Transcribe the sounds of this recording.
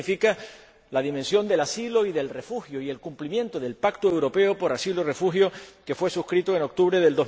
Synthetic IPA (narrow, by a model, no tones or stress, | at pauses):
fika | laðimẽnsjo̞nd̪e̞lasilo̞iðe̞lre̞fuxjoie̞lkumplimjẽ̞nt̪oðe̞lpakt̪oewɾo̞pe̞opo̞ɾasiloire̞fuxjoke̞fwe̞suhkɾit̪oeno̞k̚t̪uβɾeðe̞ld̪oz